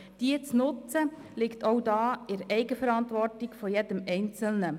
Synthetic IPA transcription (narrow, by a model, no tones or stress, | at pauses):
d̥iət͡snʊt͡sə | lɪktowdɑːɪɾɛɪɡəfəɾɑntʋɔrtɪɡfɔjɛdəmɛɪnt͡səl̩nə